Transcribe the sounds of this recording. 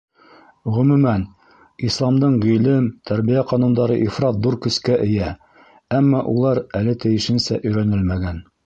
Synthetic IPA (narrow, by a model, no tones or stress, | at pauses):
ʁɵ̆mʉmæn | islˠɑmd̪ɤɴʁijlɘmt̪ʰæɾβijæqɑnund̪ɑɾɤʔifɾɑt̪̚ðuɾkɵ̆skæʔɘ̆jæ | æmːɑʔulˠɑɾælɘt̪ɘ̆jɘ̆ʃɘ̆nsæʔɵ̆jɾænɘlmæɡæn